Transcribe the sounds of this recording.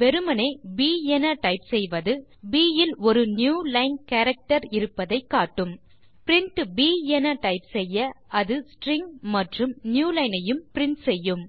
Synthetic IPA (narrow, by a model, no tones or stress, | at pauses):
ʋɛɾɯmɐnɐɪbiːɛnɐʈɐɪpsɛjʋɐðɯ | biːjɪlɔɾɯnjuːlɐɪnkɐːɾɐk̚ʈɐɾɪɾɯpːɐðɐɪkːaːʈːɯm | pɪɾɪɳʈbiːɛnɐʈɐɪpsɛjːɐɐðɯsʈɾɪŋmɐʈrɯmnjuːlɐɪnɐjɯmpɪɾɪɳʈsɛjːɯm